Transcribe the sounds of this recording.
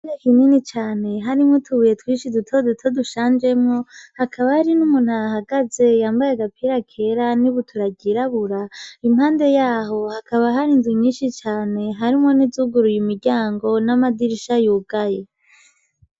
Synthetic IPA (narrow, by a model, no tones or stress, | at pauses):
ɾekininit͡ʃaːne̞ɦaɾimŋotʰuβuje̞twiːʃidutʰodutʰoduʃaːnd͡ʒe̞mŋohakʰaβahaɾinumun̥hahaɡaze̞jaːmbajeɡapʰiɾakʰe̞ɾaniβutʰuɾaɟiɾaβuɾaim̥haːnde̞jaːɦo̞hakʰaβaɦaɾinduɲiːnʃit͡ʃaːne̞ɦaɾimwonizuɡuɾujimiɾɟaːŋɡo̞namadiɾiʃajuːɡ̥aje̞